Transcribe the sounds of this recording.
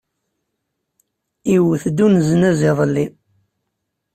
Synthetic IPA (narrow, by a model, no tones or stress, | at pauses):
iwθd̪unzənæzɪðˤlːi